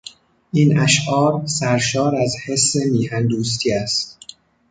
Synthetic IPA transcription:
ʔiːnæʃʔɒːɾsæɾʃɒːɾæzhe̞sːe̞niːhænd̪uːst̪ʰiæst̪

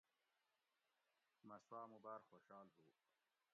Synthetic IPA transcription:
mɐswaːmubaːɾxoɕaːlɦuː

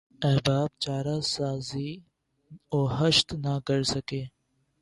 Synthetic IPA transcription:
ɛbaːb̚t͡ʃaːɾasaːzi | oːɦəʃt̪naɡəɽsɐkeː

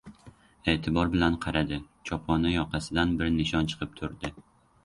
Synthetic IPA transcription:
e̞t̪ʰɪbɒɾbɪlanqʰɑɾad̪ɪ | t͡ʃʰɒpχɒnajɒqʰɑsɪd̪anbɪɾnɪʃɒnt͡ʃʰɨ̥qʰɨp̚t̪ʰʊɾd̪ɪ

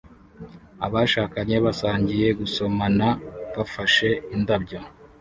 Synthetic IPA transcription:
a̰βaʃaːkaɲe̞βasaːɲɟije̞ɡuso̞manaβafaʃe̞indabɟo

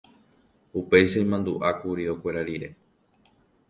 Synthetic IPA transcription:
upe̞jʃaĩmãnd̪uʔakuɾio̞kʷe̞ɾaɾiɾe̞

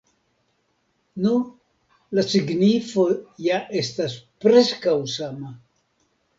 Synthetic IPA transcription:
nu | lasiɡnifo̞jaʔe̞staspɾe̞skawsama

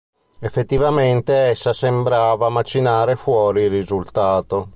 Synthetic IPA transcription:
efːet̪ːivament̪eɛsːasembɾaːvamat͡ʃːinaːɾefwɔːɾilrːizult̪aːt̪o

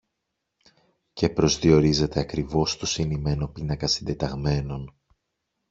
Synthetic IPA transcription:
ce̞pɾo̞zðio̞ɾize̞t̪e̞ɐkɾivo̞st̪osinime̞no̞pinɐkɐsind̪e̞t̪ɐɣme̞no̞n

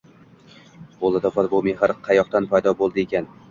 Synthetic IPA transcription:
bolˠad̪ɒpɒt̪bomehaɾqʰɑjɒq̚t̪anpʰajd̪ɒbolˠd̪ɪekʲan

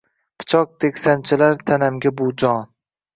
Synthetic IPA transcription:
pʰɪ̥t͡ʃʰɒk̚t̪ʰekʲsant͡ʃʰɪlaɾt̪ʰanamɡʲabʊd͡ʒɒn

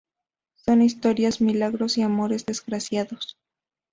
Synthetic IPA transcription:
so̞nist̪o̞ɾjazmilaɣɾo̞siamo̞ɾe̞zðe̞zɣɾasjaðo̞s

